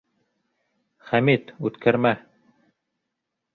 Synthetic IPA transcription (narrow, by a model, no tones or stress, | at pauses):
χæmit̪ʉt̪kʰæɾmæ